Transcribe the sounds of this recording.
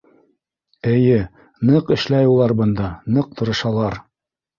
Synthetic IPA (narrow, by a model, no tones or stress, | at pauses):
ɘ̆jɘ | nɤqɘ̆ʃlæjulˠɑɾbɤ̆nd̪ɑnɤq̚t̪ŏɾɤ̆ʃɑlˠɑɾ